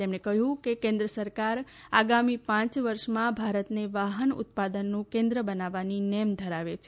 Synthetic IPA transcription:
t̪emɳekəɦjũkekẽnd̪ɾəsəɾkaɾaɡamipãt͡ʃʋəɾʃmãbʱaɾət̪neʋaɦənʊ̰t̪̚pad̪ənːũkẽnd̪ɾəbənaʋaninɛmd̪ʱəɾaʋet͡ʃʰ

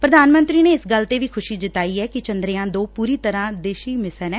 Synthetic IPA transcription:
pɾəd̪aːnmə̃nt̪ɾiːneːɪsɡəlt̪eːʋiːkʰʊʃiːd͡ʒ̪ɪt̪aːiːɛːkɪt͡ʃənd̪ɾeːãːd̪oːpuːɾiːt̪əɾãːd̪eːʃiːmɪsəɾɛ̃ː

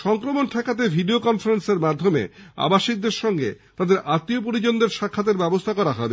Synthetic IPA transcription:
ʃɔŋkɾomonʈʰɛkat̪̬ebʱiɖiokɔnfaɾenseɾmad̪ʱːomḛa̰baʃik̚d̪eɾʃɔŋɡḛt̪ad̪eɾʔat̪ːiop̬oɾid͡ʑond̪eɾʃakʰːat̪̬eɾbɛbost̪ʰakɔɾaɦɔeb

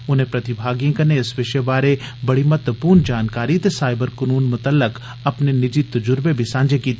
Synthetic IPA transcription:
ʊnɦẽpɾɐt̪ɪbʱaːɡjə̃kɐneɪsʋɪʃebaːɾebɐɽimɐt̪əpuːɾnd͡ʒaːnkaːɾit̪esaːɪbəɾkɐnuːnmʊt̪əlːək | ɐpnenɪd͡ʒit̪ɐd͡ʒʊɾbebʱisãːɲd͡ʒekiːt̪

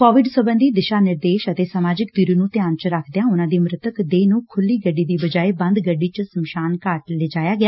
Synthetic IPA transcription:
kɔːʋɪɖswəbənd̪iːd̪ɪʃaːnɪɾd̪eːʃət̪eːsamaːd͡ʒɪkd̪iɾiːnũːt̪ɪjaːnt͡ʃɾəkʰd̪jãːʊnãːd̪iːmɾɪt̪əkd̪eːnũːkʰʊlːiːɡəɖːiːd̪iːbəd͡ʒaːeːbə̃nd̪ɡəɖːiːt͡ʃəsəmʃaːnkaːʈleːd͡ʒaːjaːɡɪaː

